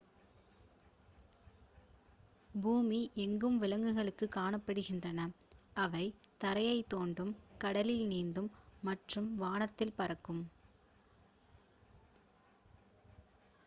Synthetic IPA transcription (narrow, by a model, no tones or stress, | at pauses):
buːmiʔɛŋɡɯmʋɪlɐŋɡɯɣɐɭɯkːɯkːaːɳɐpːɐɽɯɣɪndrɐnɐɐʋɐɪt̪ɐɾɐjɐɪt̪ːoːɳɖɯmkɐɽɐlɪlniːnd̪ɯmːɐʈrɯmʋaːnɐt̪ːɪlpɐɾɐkːɯm